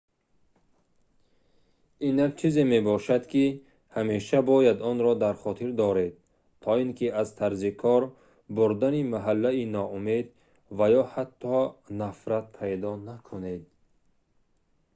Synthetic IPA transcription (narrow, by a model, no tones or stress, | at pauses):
inakt͡ʃʰize̞me̞bɔʃad̪kʰi | hameʃabɔjad̪ɔnɾɔd̪aɾχɔt̪ʰiɾd̪ɔɾe̞d̪̚ | t̪ʰɔiŋkʰiazt̪ʰaɾzikʰɔɾ | buɾd̪animaɦalːainɔume̞d̪ | vajɔhat̪ʰːɔnafɾat̪̚pʰajd̪ɔnakʰuned̪̚